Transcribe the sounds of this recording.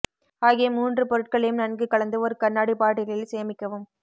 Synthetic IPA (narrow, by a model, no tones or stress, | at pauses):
aːɣɪjɐmuːndrɯpɔɾɯʈ̚kɐɭɐjɯmnɐnɡɯkːɐɭɐnd̪ɯɔɾɯkɐnːaːɽipaːʈːɪlɪlseːɐmɪkːɐʋɯm